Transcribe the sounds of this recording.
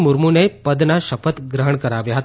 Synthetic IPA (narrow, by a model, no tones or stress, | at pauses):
muɾmunejpəd̪naɕəpət̪ɡɾəɦəɳkəɾaʋjaɦt̪